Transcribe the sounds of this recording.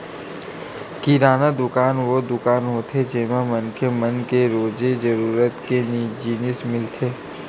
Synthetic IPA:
kiɾaːnad̪ʊkaːnʋod̪ʊkaːnɦoːt̪ʰed͡ʒemamɐnkʰemənkeɾoːd͡ʒed͡ʒɐɾuːɾət̪kenid͡ʒiːnɪsmɪlt̪ʰeː

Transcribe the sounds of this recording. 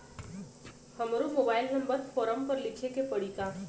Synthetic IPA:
həmɾomoːbaːɪlnəmbəɾfʰoːɾəmpəɾlɪkʰekepəɽ̤ika

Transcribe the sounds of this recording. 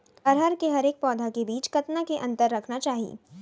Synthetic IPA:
ɐɾɦəɾkeɦɐɾeːk̚pɔːd̪ʱakebiːt͡ʃkɐt̪nakeʔɐ̃nt̪əɾːɐkʰnat͡ʃaːɦḭː

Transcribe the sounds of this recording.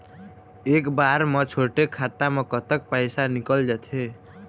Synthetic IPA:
ekbaɾmət͡ʃʰoʈekʰːat̪amekət̪ək̚pəjsanikəld͡ʒat̪ʰɦe

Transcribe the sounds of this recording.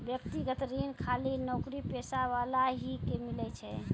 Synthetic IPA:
bjəkt̪iɡət̪ɾinkʰalinɔkɾipesaʋalaɦikemilɛt͡ʃʰɛ

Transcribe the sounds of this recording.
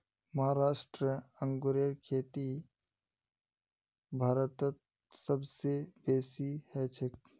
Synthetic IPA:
mɐɦaɾaːʃʈɾəə̃ŋɡoɾeɾkʰeːt̪i | bʱaːɾət̪ət̪̚ | səbsebeːsihɛːt͡ʃʰɪk̚

